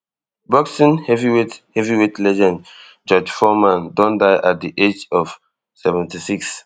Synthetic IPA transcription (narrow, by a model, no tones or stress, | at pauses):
bɔksĩnhɛviwithɛviwitlɛd͡ʒɛ̃nd | d͡ʒɔd͡ʒfɔmãndɔ̃ndaɪʔat̚diʔed͡ʒɔv̥ | sɛvɛ̃ntisiks